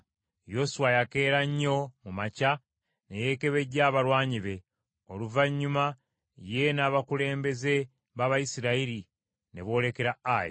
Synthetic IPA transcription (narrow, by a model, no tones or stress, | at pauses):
jo̞suwajake̞ːɾaɲːo̞mumaca | ne̞je̞ke̞βe̞ɟːaːβaɾwaːɲiβe̞ | o̞luvaɲːuma | je̞naːβakule̞ːmbe̞ze̞ | βaβajisiɾaiɾi | ne̞̰βo̞ːle̞ke̞ɾaajḛ